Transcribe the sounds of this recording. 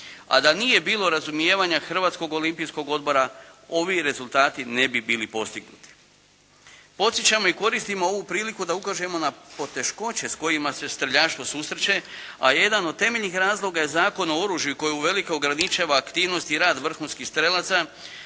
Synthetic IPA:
a̰d̪anije̞biːlo̞ɾazumje̞ːʋaɲaxr̩ʋaːt̪sko̞ɡo̞limpijsko̞ɡo̞d̪̚bo̞ɾao̞ʋiɾe̞zulˠt̪aːt̪ine̞bibiːlipo̞st̪iɡnṵt̪i̥ | po̞t̪sjet͡ɕamo̞iko̞ɾist̪imo̞o̞ʋupɾiːlikud̪aukaʒe̞mo̞napo̞t̪e̞ʃko̞t͡ɕe̞sko̞jimase̞st̪ɾeʎaːʃt̪ʋo̞susɾet͡ɕe̞a̰je̞d̪ano̞d̪̚t̪e̞me̞ʎnixɾaːzlˠo̞ɡajezaːko̞no̞o̞ɾuːʒjuko̞juuʋe̞likeoɡɾanit͡ʃaːʋaːkt̪iːʋno̞st̪iɾaːd̪ʋr̩xunskixst̪ɾelat̪sa

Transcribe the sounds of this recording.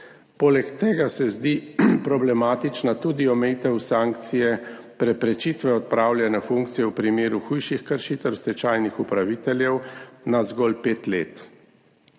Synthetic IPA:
poːlɛkt̪eːɡasɛzd̪ipɾɔblɛmaːt̪it͡ʃnat̪uːd̪iɔmɛjit̪ɛwsaŋkt̪sijɛ | pɾɛpɾɛt͡ʃit̪ʋɛɔt̪̚pɾaːwljɛnɛfuŋk̚t̪sijɛwpɾimeːɾuxujʃixkəɾʃit̪ɛwst̪ɛt͡ʃaːjnixupɾaʋiːt̪ɛljɛwnazɡɔːlpeːt̪lḛːt̪

